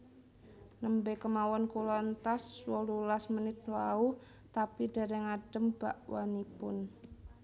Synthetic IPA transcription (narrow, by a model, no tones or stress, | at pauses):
nəmbekəmawɔnkulɔnt̪aswɔlulasmənɪt̪̚lau | t̪apidaɾɛŋaɖ̥əmb̥aʔwʔanipʊn